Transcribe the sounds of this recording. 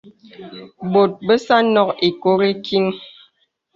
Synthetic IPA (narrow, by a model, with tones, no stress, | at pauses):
bo˨t̚bə˦sa˦nɔ˦ki˨ko˦ɾe˦ki˦ŋ